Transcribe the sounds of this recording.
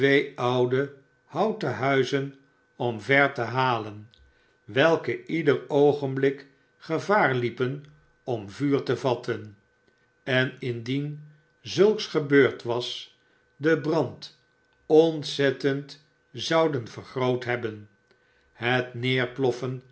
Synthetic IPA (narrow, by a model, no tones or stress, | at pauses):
tʋejɑwdə | hɑwtəɦœɥzən | ɔmvɛɹtəɦaːlən | ʋɛlˠkəidərowχənblɪk | χəvaːɹlipən | ɔmvyːɹtəvɑtʰən | ɛnɪndin | zɵlˠksχəbøːɹtʋɑs | dəbrɑnt | ɔntsɛtənt | zɑwdənvəɹχrowtɦɛbən | ɦətnɪːɹplɔfən